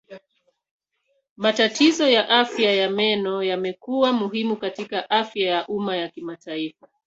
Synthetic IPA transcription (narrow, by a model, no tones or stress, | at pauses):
matatizɔjaʔafjajamɛnɔjamɛkuwamuɦimukatikaʔafjajaʔumajakimataifa